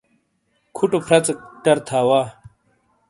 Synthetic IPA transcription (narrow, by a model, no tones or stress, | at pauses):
kʰuʈopʰɾɐt͡sɐʈɐɾt̪ʰaːwaː